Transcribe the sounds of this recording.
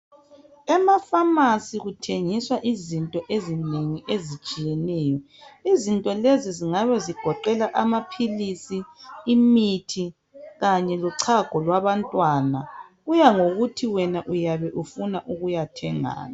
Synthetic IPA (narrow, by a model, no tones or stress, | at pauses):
ɛmafamasiɣutʰeŋiswaʔizintʼɔʔezineŋiʔezit͡ʃʼijɛnɛːjɔ | izintʼɔleziziŋaβɛziɡ̥ʱɔǃɛlaʔamapʰilisiːmitʰi | ɣaɲɛlɔǀʰaɡ̥ʱɔlwaβantʼwanaɣujaŋoɣutʰiwɛnaʔujaβɛʔufunaʔuɣujatʰɛŋa̰ːna